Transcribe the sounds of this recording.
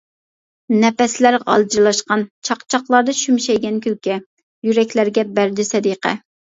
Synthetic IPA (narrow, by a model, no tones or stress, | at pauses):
nɛpɛslæɾʁɑ̰lˠd͡ʒiɾlˠɑʃqɑnt͡ʃʰɑqt͡ʃʰɑqlˠɑɾd̪ɑʃymʃɛjɡʲɛnkʲʰylkʲɛ | jyɾɛkʲlæɾɡʲɛbæɾd̪ɪsɛd̪iqʰɛ̰